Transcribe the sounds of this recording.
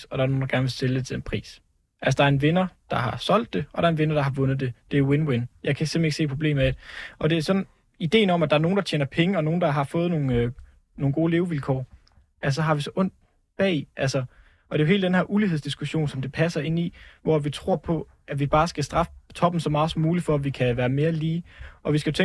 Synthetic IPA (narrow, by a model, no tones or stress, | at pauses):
ɒ̽d̥ɑ̈ɐno̝ːnd̥ɑɡ̥æɐnʋe̝lseləd̥e̝t͡sʰe̝̥enpʰʁḭːs | ʔælsəd̥ɑ̈ɐe̝nʋe̝nɐd̥ɑ̈ɦɑ̈sɒ̽l̰d̥ːe̝ʔɒ̽ɾ̥ɑ̈ɐenʋe̝nɐd̥ɑ̈hɑ̈ʋɔ̽nð̩ˠd̥e̝d̥e̝æwenwenjɑ̈ɪkʰæsem̰̥leɡ̥se̝̰ːpʰʁo̝b̥le̝̰ːm̩ˠæd̥e̥ɒ̽d̥e̝æɐsɒ̽nn | id̥e̝̰ːn̩ɒ̽mæd̥ɑ̈æɐno̝ːn̩dɑ̈t͡ɕʰeːnɐpʰeŋəɒ̽no̝ːn̩d̥ɑ̈ɦɑ̈fɔ̽ːð̞̩no̝ːn̩ | no̝ːŋ̩ɡ̥o̝ːle̝ːʊʋilkʰɒ̰ː | æsɒ̽ɦɑ̈ʋisɒ̽ʔɔ̽n̰d̥̚ | b̥ɛ̰ːiʔælsɐ | ʔɒ̽d̥e̝oɦe̝ːld̥enhæɐʔuliheðˠsd̥isɡ̥uɕo̝̰ːnsɒ̽md̥e̝pʰæsɐe̝n̰iʋɒʋit͡sʰʁo̝̰ɐ̰pʰɒ̽ | ʔæʋib̥ɑ̈ːsɡ̥æsd̥ʁɑ̈fə̥t͡sʰɒ̽b̥n̩sɒ̽mɑ̈ːð̩ˠsɒmuːli̥fɒ̽æʋikʰæʋæːɐme̝ːɐliːʔɒ̽ʋisɡ̥æjot͡sʰe